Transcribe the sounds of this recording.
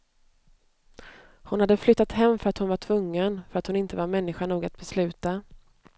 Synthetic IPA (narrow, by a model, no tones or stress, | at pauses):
hʊnhad̪ːəflʏt̪ːat̪hɛmːfœɾat̪hʊnvaʈʰvɵŋːənfœɾat̪hʊnɪnt̪əvaɾmɛnːɪɧaɳuːɡat̪̚bɛslʉ̟ːt̪a